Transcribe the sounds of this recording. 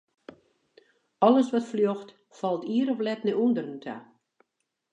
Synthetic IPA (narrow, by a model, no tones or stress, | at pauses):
ɔlˠəsʋɔtfljoxt | fɑlˠtiəɾɔflɛtnəundərəntʰa̰